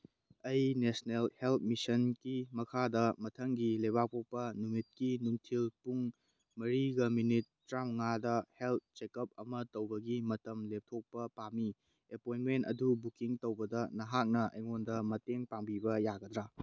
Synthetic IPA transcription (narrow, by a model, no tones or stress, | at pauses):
ɐjnesnelhelt̚misɐnɡimɐkʰadɐmɐtʰɐŋɡilebak̚tʰok̚pɐnumit̚kinuŋtʰilpuŋ | mɐɾiɡɐminit̚ːɾamŋadɐhelt̚t͡ʃekɐp̚ɐmɐtɐwbɐɡimɐtɐmlep̚tʰok̚pɐpami | epojnmentɐ̰dubukiŋtowbɐdɐnɐɦak̚nɐʔɐjŋondɐmɐteŋpaŋbibɐjaɡɐd̪ɾa